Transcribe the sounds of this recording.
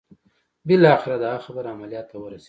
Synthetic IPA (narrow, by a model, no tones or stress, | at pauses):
bɪlɑːxɪɾad̪əaxabəɾaamalijɑt̪ːawəɾase̥